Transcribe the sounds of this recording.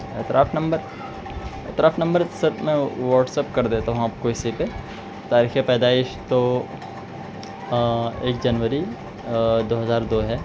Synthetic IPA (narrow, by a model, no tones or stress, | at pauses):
ɛt̪ɾʔaːfʰnɐ̃mbəɾ | ɛt̪ɾaːfnɐ̃mbəɾsɪɾmɛ̃ʋaːʈsepkɐɾd̪eːt̪aɦõaːp̚koɪsipe | t̪aːɾiːxɛpɛːd̪aːɪʃt̪o | eːk̚d͡ʒɐnʋəɾi | d̪oːɦɐzaːɾd̪oːɦɛː